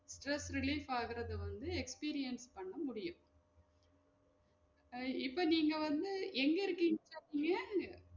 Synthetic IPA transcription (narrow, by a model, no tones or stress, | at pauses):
sʈɾɛsɾɪliːfaːɣɪɾɐðɯʋɐnd̪ɯɛkspiːɾɪjɐnspɐɳːɐmʊɽɪjʊ̃ | ɪpːoːniːŋɡɐʋɐnd̪ɯʔɛŋɡɐɪɾɯkːiːŋt͡ʃːɐiːŋɡɐɐ